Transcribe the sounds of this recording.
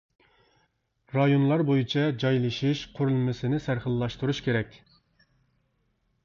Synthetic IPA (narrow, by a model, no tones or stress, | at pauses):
ɾɑjonlˠɑɾbojit͡ʃʰɑd͡ʒɑjlˠɨʃiʃqʰʊɾulˠmɪsɪnɪsæɾχəlˠːɑʃt̪uɾuʃkʲeɾɛkʲ